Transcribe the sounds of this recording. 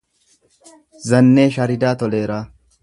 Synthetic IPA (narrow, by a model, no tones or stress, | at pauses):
zɐnːeːʃɐɾɪd̪aːt̪ɔleːɾaː